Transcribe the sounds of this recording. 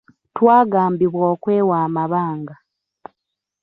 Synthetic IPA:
twaːɡaːmbiβwoːkweːwaːmaβaːŋɡa

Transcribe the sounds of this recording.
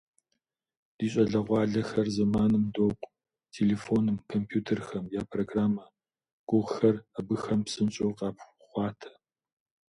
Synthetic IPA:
d̥iːɕʼɐɮɐʁʷɑːɮɐxɐrzɐmaːnɨmdoːqʷʼ | tʰeːleːfoːnɨmkʰompʰjuːtʰɐrxɐmjaːpʰroɡraːmɐ | ɡ̥ʷʼʊʁxɐrɐbɨxɐmpsɨnt͡ʃʼowqɑːp | χʷɑːtʰɐ̥

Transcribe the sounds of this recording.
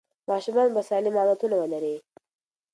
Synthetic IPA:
mɑːʃumɑːnbasaːnimamat̪unawəlɐɾe

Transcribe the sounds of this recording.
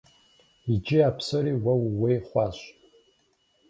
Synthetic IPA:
id͡ʒɪapʰsɐɾiːwɐwwejχʷɑːɕ

